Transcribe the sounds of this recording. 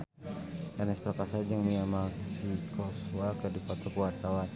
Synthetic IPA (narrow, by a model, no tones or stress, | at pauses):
anɛspərkasad͡ʒəŋniamasikʰɔswakədupat̪ɔkuart̪awa